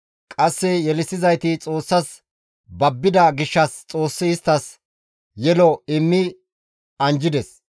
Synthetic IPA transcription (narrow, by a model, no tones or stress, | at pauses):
kʼɐsːɛjɛlɪsɪzɐjt̪ɪt͡sʼo̞ːsːɐs | bɐbːɪd̪ɐɡɪʃːɐst͡sʼo̞ːsːɪɪst̪ːɐs | jɛlɔɪmːɪ | ɐnd͡ʒɪd̪ɛs